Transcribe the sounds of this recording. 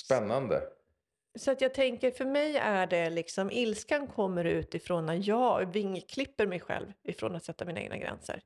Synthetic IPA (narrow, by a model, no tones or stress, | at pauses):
spɛnːand̪ə̰ | sɔat̪jɑːɡ̚t̪ʰɛŋkəɾfœɾmɛjæɖɛlɪksɔmʔɪlskankʰɔmːəɾʉ̟ːt̪ɪfɾoːnajɑːvɪŋːkʰlɪpːəɾmɛjɧɛ̰lvɪfɾo̰ːnat̪sɛt̪ːaminɛ̰ɡ̪̚na̰ɡɾɛ̰nsə̰ɾ